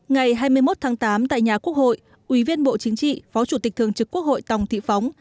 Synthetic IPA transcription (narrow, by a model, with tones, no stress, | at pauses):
ŋa˨˩jɦaː˧jmɨ˧əjmo˦˥t̚t̪ʰaː˨˦ŋt̪aː˨˦mt̪a̰ː˧˨jɲaː˨˩ku˦˥ək̚ho̰˧˨j | ʔwi˨˦vi˧ənɓo̰˧˨t͡ɕï˨˦ŋ̟t͡ɕḭ˧˨fɔ˨˦t͡ɕu˧˩t̪i˨˩k̚t̪ɨ˨əŋt͡ɕɨ˨˩kːu˦˥ək̚ho̰˧˨jt̪ə˨˩wŋ͡mt̪ʰḭ˧˨fa˨˦wŋ͡m